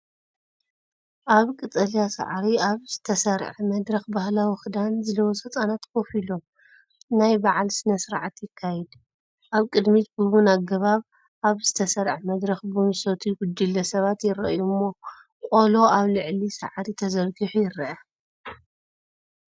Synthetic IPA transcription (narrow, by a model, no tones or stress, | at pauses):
ʔaβkʼɨt̪ʼɐlijasa̰ʕɾiaβzɨt̪ʰɐsɐɾʕmɐd̪ɾɐxbahlawixɨd̪anzɨlɐwosɐt͡sʼanat̪kʰofilo̞ | najbaʕalsɨnɐsɨɾʕat̪jɪkʰːajɛd̪ | ʔaβkʼɨd̪mit̪bɨβunaɡɐβaβ | ʔaβzɨt̪ʰɐsɐɾʕmɐd̪ɾɐxbɨmsot̪ʰuɡʊd̪ːilːɐsɐβat̪jɪɾɐ̰ʔjumːo | kʼolo̞aβlɨʕlisa̰ʕɾit̪ʰɐzɐlɡɨħujɪɾɐʔɐ